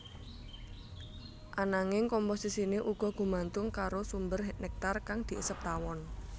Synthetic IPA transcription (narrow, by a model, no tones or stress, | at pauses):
ʔanaŋɪŋkɔmposisineʔuɡ̥ɔ̤ɡ̥ṳmant̪ʊŋkaɾosumbərɦnɛk̚t̪arkaŋd̪̥i̤ʔəsəp̚t̪awɔn